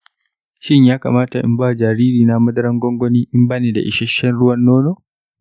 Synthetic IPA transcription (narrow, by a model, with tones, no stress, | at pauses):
ʃɪ˦ɲjaː˦ka̰˨maː˦ta˨ʔɪ̰˦mbaː˦˨d͡ʒaː˨ɾiː˦ɾiː˨na˦mɐ˦dɐ˦ɾɐ˦ŋɡɔ˦ŋɡɔ˦niː˦ʔɪ˦mbaː˦neː˨da̰˨ʔɪ˨ʃɛ˦ʃɛ˦nɽʊ˦wɐ˦nːoː˦no˦